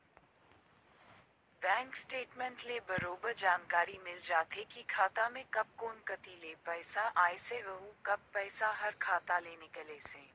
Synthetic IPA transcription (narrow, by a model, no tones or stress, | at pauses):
bɛ̃ːŋksʈeːʈmɛ̃ɳʈlebɐɾoːbəɾd͡ʒaːnkaːɾimɪld͡ʒaːt̪ekikʰaːt̪amẽkɐp̚koːnkɐt̪ileːpɛːsaʔaːeseʋɐɦũkɐbːɛːsaɦɐɾkʰaːt̪aleːnekɐleseː